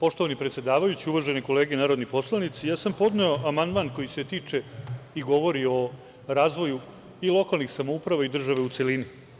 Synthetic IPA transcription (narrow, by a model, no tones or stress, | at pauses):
po̞ʃt̪o̞ʋanipɾet̪sjed̪aːʋajut͡ɕiuʋaʒeneko̞leːɡenaːɾod̪nipo̞slˠanit̪sijaːsampo̞d̪neoamand̪manko̞jise̞t̪iːt͡ʂeiɡo̞ʋo̞ɾio̞ | ɾaːzʋo̞ju | ilˠo̞kalnixsamoupɾaʋaid̪r̩ʒaʋe̞ut̪selini